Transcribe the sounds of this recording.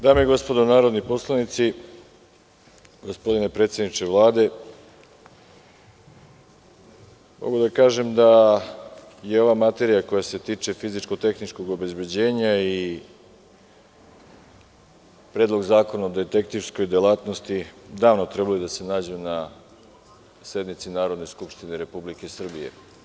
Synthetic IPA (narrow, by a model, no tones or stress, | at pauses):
d̪aːmeeɡo̞spo̞d̪onaːɾod̪nipo̞slˠanit̪si | ɡospo̞d̪inepɾet̪sjed̪nit͡ʃeʋlˠaːd̪e̞ | mo̞̰ɡud̪akaːʒe̞md̪a | jeo̞ʋamat̪e̞ɾijako̞jase̞t̪iːt͡ʃe̞fizit͡ʃkot̪e̞xnit͡ʃko̞ɡo̞be̞zbe̞d͡ʑe̞ːɲai | pɾe̞ːd̪lˠo̞ɡzaːko̞naod̪et̪ekt̪iʋsko̞jd̪elaːt̪nost̪id̪aːʋnot̪ɾebalojud̪ase̞naːd͡ʑuna | se̞d̪mit̪sinaːɾo̞d̪ne̞skupʃt̪ineɾe̞publikesr̩bije̞̰